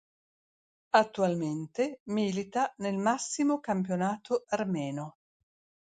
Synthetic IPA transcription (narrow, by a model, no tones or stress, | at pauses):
at̪ːualment̪emiːlit̪anelmasːimokamp̬jonaːt̪ʰoarmɛːno